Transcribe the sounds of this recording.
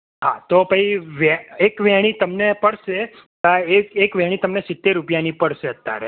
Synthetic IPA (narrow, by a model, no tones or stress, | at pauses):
ɦat̪obʱəiʋɛekʋɛɽ̃it̪əmnepəɽʃe | əekekʋɛɽ̃it̪əmnesɪt̪ːeɾupjanipəɽʃeət̪ːja̰ɾḛ